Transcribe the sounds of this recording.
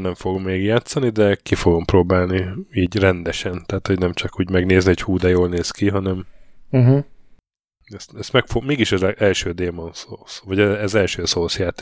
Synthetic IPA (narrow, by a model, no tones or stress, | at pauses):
nɛɱfoɡomːeːɡjaːt̪sɒnid̪ɛkifoɡo̞mpɾoːbaːlniiːɟrɛnd̪ɛʃɛnt̪aːt̪ho̞ɟnɛmt͡ʃɒkuːɟmɛɡneːzniho̞chuːd̪ɛjoːlneːskiɦɒnɛm̩ | ɛst̪ɛst̪mɛkfomeːɡiʃɛzɛʔɛlʃøːd̪eːmɒnsosvɒɟɛɛzɛlʃøːsoːsjaːt̪